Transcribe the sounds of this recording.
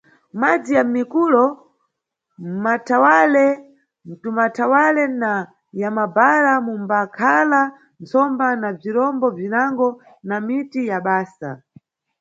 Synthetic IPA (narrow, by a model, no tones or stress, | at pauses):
mad͡zijamikulɔ | matʰawalɛ | m̩tumatʰawalɛna | jamabaɾamumbakʰala | nt͡sɔmbanab͡ʐiɾɔmbɔvinaŋɡɔ | namitijaɓaːsa̰